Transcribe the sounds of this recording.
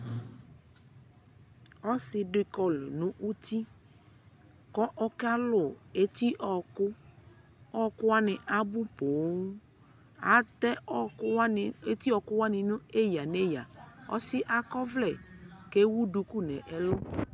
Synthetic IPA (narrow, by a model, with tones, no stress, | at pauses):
ɔ˦sɪ˨dɪ˨kɔ˨lʊ˨nʊ̃˨ʔu˦t̪i˦ | kɔ˦ʔɔ˦ka˦lʊ˨e˦t̪i˦ʔɔ˨kʊ˦ | ɔ˦kʊ˦wa˦nɪ˨ʔa˦bʊ˦po˨˦ | a˨˦t̪ɛ˦e˦t̪i˦ɔ˨kʊ˦wa˦nɪ̃˨nʊ̃˦e˦ja˨ne˦ja˨ɔ̰˦sɪ˦ʔa˨kɔ˦vlɛ˨ke˦wu˦du˨ku˦nɛ̃˨ʔɛ˨lʊ˦